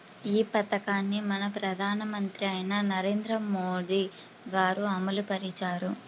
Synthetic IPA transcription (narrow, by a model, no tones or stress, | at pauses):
iːpɐt̪ɐkaːnːimɐnɐpɾɐd̪ʱaːnɐmɐnt̪ɾiɐjnɐnɐɾe̞ːnd̪ɾɐmoːd̪i | ɡaːɾuɐmɐlupɐɾit͡ʃaːɾu